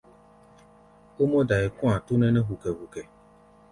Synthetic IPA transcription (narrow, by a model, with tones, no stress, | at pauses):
o˦mɔ˦da˨e˨kũ˦ã˨tu˦nɛ˦nɛ˦ɦu˨kɛ˨hu˨kɛ˨